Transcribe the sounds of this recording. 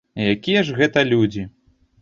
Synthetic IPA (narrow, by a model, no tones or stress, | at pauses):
jakʲijɐʐɣɛt̪ɐlʲud͡zʲi